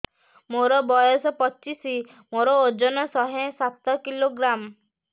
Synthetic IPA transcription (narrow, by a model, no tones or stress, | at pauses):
moɾɔbɔjɔsɔpɔt͡ʃisi | moɾɔod͡ʒɔnɔsɔɦẽsat̪ɔkiloɡɾam